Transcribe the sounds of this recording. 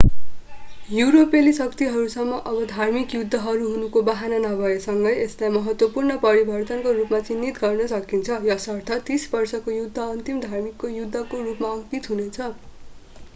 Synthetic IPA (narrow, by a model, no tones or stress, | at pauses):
juɾopelisʌkt̪iɦʌɾusʌmːʌʔʌbʌd̪ʱarmikjud̪ʱːʌɦʌɾuɦunukobaɦananʌbʱʌesʌŋɡʌjeslajmʌɦʌt̪wʌpurnʌpʌɾibʱʌrt̪ʌnkorupmat͡sinːit̪ɡʌrnʌsʌkint͡sʰʌjʌsʌrt̪ʰʌt̪isbʌrsʌkojud̪ʱːʌʌnt̪imd̪ʱarmikːojud̪ʱːʌkorupmaʌɡt̪it̪ɦunet͡sʰʌ